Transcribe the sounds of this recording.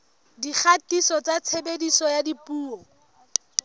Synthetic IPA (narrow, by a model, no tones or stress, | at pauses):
dik͡xʰatisɔt͡sat͡sʰebedisɔjadipuːɔ